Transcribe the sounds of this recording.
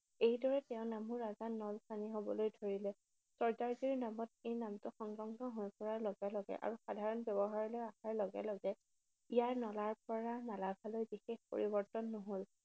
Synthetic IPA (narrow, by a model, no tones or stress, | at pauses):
ejdɔɹɛtɛʊ̃namuɹazanɔlsaniɦobɔlojdʱoɹilɛ | sɔɹzaɹzoɹinamɔt̚ejnamtʊxɔŋɡɹɔŋɡʱɔɦojpɔɹaɹlɔɡɛlɔɡɛ̰ʔa̰ɹuxadʱaɹɔnbjɔbɔɦaɹɔlojaxaɹlɔɡɛ̰lɔɡɛ | ijaɹnɔlaɹpɔɹanalaɡʱalojbixexpo̰ɹibɔɹtɔnːoɦol